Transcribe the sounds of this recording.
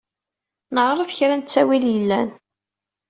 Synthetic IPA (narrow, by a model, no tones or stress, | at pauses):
nəʁɾˤəfçɾænt͡sːæwiljəlːæ̰n